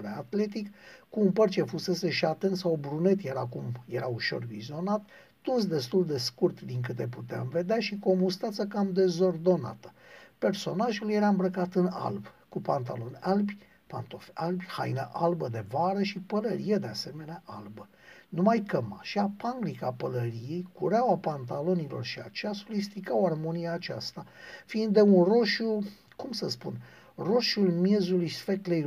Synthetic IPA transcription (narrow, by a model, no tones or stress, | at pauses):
ɾeat̪le̞t̪ikkuːnpərt͡ʃe̞fuse̞se̞ʃiat̪ent̪sawbɾune̞t̪jeɾakumje̞ɾauʃo̞̰rvizio̞nat̪ | t̪unsd̪e̞st̪uld̪e̞skurt̪d̪iŋkɨt̪e̞put̪eamve̞d̪eaʃiko̞must̪at̪səkamd̪e̞zo̞rd̪o̞na̰t̪ə̥ | pe̞rso̞naʒulje̞ɾambɾəkat̪ɨna̰lbkupant̪alo̞nalbʲ | pa̰nt̪ofalbʲha̰jnə̰ʔalbəd̪e̞vaɾəʃipələɾijed̪e̞ase̞me̞neaʔalbə | numajkəma̰ʃiapaŋɡɾikapələɾije̞jkuɾawapant̪alo̞nilo̞̰rʃia̰t͡ʃejaso̞fist̪ikawarmo̞nijaːt͡ʃa̰st̪afiːnd̪ːe̞unro̞ʃu | kumsəspun | ro̞ʃulmjezulujsfeklej